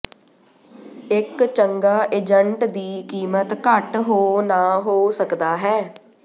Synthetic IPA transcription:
ɪkt͡ʃəŋɡaːʔeːd͡ʒəɳʈd̪iːkiːmət̪kəʈɦoːnaːɦoːsəkd̪aːɦɛː

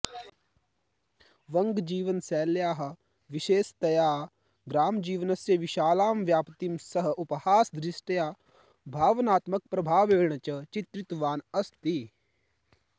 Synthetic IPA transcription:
ʋɐŋɡd͡ʒiːʋənsɛːljaːɦɐ | ʋiʃeːst̪ɐjaː | ɡ̪ɾaːmd͡ʒiːʋənɐsjɐʋɪʃaːlaːmʋjaːpt̪imsɐɦuphaːsd̪ɾɪsʈɐjaː | bʱaːʋnaːt̪mɐk̚pɾɐbʱaːʋeːɳ̃ɐt͡ʃɐt͡ʃit̪ɾɪt̪ʋaːnɐst̪i

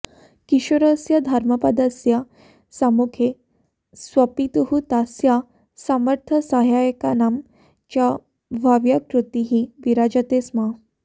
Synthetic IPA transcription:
kiʃəɾəsjɐd̪ʱaɾmɐpɐd̪ɐsja | samukʰe | sʋɐpit̪uɦut̪asja | saməɾt̪ʰəsaɦjajəkanam | t͡ɕa | ʋʱaʋjakɾut̪iɦiʋiɾad͡ʑat̪esma

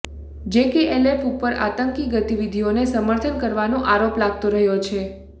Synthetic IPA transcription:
d͡ʒekeʔelepupːəɾa̰t̪əŋkiɡət̪iʋid̪ʱionesəməɾt̪ʰənkəɾʋanõʔaɾoplaɡ̚t̪oɾəɦjot͡ʃʰe

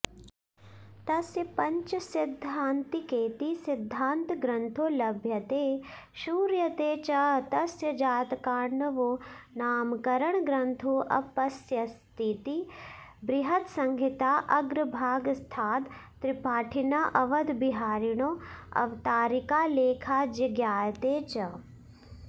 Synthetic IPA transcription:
t̪ɐsjəpɐ̃ɲt͡ʃsɪd̪ʱːaːnt̪ikeːt̪isɪd̪ʱːaːnt̪ɡɾɐ̃nt̪ʰoːlɐbʱjɐt̪eː | ʃuːɾjɐt̪eːt͡ʃɐt̪ɐsjəd͡ʒaːt̪kaːɾnɐʋonaːmkɐɾɐɳɡɾɐnt̪ʰoːʔɐ̰pɐsjɐst̪ʰit̪ibɾɪɦɐt̪sɐŋɡʱit̪aːʔɐɡɾəbʱaːɡst̪ʰaːt̪ː | ɾipaːʈʰinaʔɐʋɐd̪biɦaːɾiɽ̃oːɐ̰ʋt̪aːɾikaːleːkʰaːd͡ʒɐɡjaːjɐt̪eːt͡ʃɐ

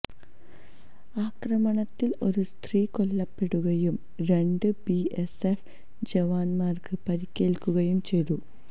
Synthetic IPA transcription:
aːkrɐmɐɳɐt̪ːilo̞ɾust̪riːko̞lːɐpːe̞ɽuɣɐjum | ɾe̞ɳɖɨbiesef | d͡ʑeʋaːnmaːrkɨpɐɾikʲːeːlkːuɣɐjumt͡ɕe̞jðu

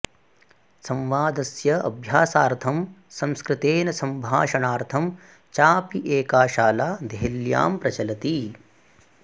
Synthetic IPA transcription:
sɐ̃mʋaːd̪ɐsjɐɐ̰bʱjaːsaːɾt̪ʰɐmsɐ̃mskɾɪt̪eːnɐsɐmbʱaːʃɐɳaːɾt̪ʰɐm | t͡ʃaːpiʔeːkaːʃaːlaːd̪ʱeɦilja̰ːmpɾɐt͡ʃɐlɐt̪i

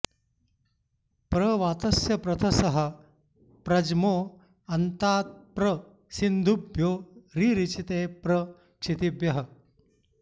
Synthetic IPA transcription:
pɾɐʋaːt̪ɐsjɐpɾɐt̪ʰɐsɐɦə̆ | pɾɐd͡ʒmoː | ɐnt̪aːt̪̚pɾɐ | sind̪ʱubʱjoːɾiːɾit͡ʃit̪eːpɾɐ | kʂʰit̪ibjɐɦɐ

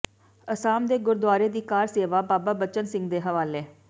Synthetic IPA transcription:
əsaːmd̪eːɡʊɾd̪ʊaːɾeːd̪iːkaːɾseːʋaːbaːbaːbət͡ʃənsɪ̃ŋɡd̪eːɦəʋaːleː

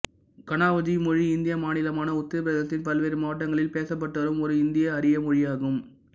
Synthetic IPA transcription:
kɐnaːʋɐd͡ʒimɔɻiɪnd̪ɪjɐmaːnɪlɐmaːnɐʊt̪ːɪpɪɾɐðɐt̪ːɪnpɐlʋeːɾɯmaːʈːɐŋɡɐɭɪlpeːsɐpːɐʈːɐʋɐɾɯmɔɾɯɪnd̪ɪjɐːɾɪjɐmɔɻɪjaːɣɯm

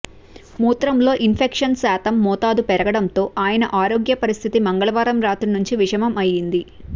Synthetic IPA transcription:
muːt̪ɾɐmlo̞ːʔinpʰekʂɐnsaːt̪ʰɐmːɔːt̪aːd̪upɛɾɐɡɐɽɐnt̪o̞ːʔaːjɐnɐʔaːɾo̞ːɡjɐpɐɾist̪ʰit̪imɐŋɡɐɭɐʋaːɾɐmɾaːt̪unuɲt͡ʃiʋiʂɐmɐmɐjːind̪i

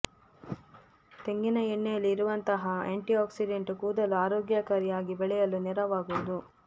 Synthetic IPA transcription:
t̪eŋɡinɐiɳːɛjɐlːiːɾuʋɐnt̪ɐɦɐḛːɳʈiaːksiɖeɳʈukuːd̪ɐluaːɾoːɡjakaːɾjaːɡibɛɭɛjɐlːunɛɾɐʋaːɡuʋud̪u

